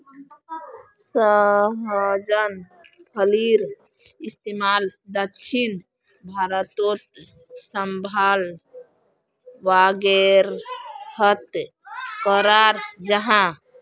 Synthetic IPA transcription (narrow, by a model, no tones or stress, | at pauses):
səɦd͡ʒən | pʰəliɾ | ist̪emald̪əkʃʰin | bʱaɾət̪ot̪ | səmbʱal | ʋaɡeɾhət̪ | kəɾaɾd͡ʒəɦã